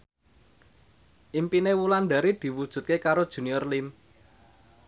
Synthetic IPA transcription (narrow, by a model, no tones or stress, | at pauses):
ʔimpinewulanɖ̪a̤ɾid̪̥i̤wud̥ʒ̥ṳt̪̚kekaɾod̥ʒ̥ṳniɔrlim